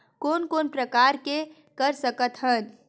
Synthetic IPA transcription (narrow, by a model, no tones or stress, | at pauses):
koːnkoːnpɾəkaːɾke | kəɾsəkət̪ɦən